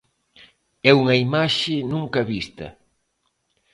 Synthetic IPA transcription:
ɛuŋɐimaʃɪnũŋkɐβist̪ɐ̰

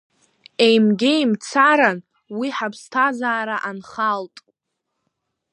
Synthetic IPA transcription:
e̞jmɡʲejmt͡sʰaɾan | wiħapʰstʰazaːɾaʔanχaltʼ

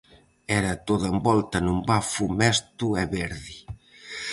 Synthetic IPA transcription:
ɛɾɐt̪oðɐembɔlt̪ɐnumbafumɛst̪uɛβeɾði

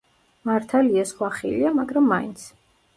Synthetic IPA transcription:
maɾt̪ʰaliasχwaχḭliamaɡɾamːaḭnt̪sʰ

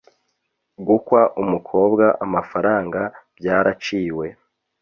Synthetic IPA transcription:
ɡukwaʔumukʰo̞ːbɡaʔamafaɾaːŋɡab̥jaːɾat͡ʃiːwe̞

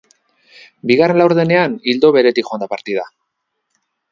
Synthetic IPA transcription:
biɣare̞nlawɾðe̞ne̞anild̪o̞βe̞ɾe̞t̪ikxo̞nd̪apaɾt̪ið̞a

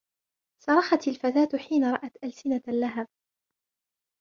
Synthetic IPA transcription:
sɑɾˤɑħɑt̪alfat̪aːt̪ħiːnaɾˤɑʔat̪ʔalsɪnalaɦab̚

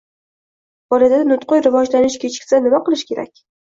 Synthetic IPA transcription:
b̥ɒlad̪ad̪anʊt̪qojɾɪvɒd͡ʒlanɪʃkʲʰet͡ʃʰkʲsanɪmaqɨlˠɪʃkʲʰe̞ɾa̰kʲ

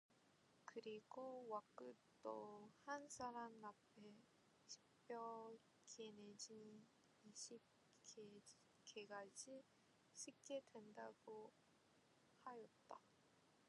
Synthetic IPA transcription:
kɯɾiɡ̥owak͈ɯ | t͈ohansʰaɾamnapʰe̞ | ɕʰi̥pjʌ | kened͡ʑin | iɕʰip̚ | ke | keɡad͡ʑi | sʰɯk͈e̞dwe̞ndaɡ̥o | hajʌt̚t͈a

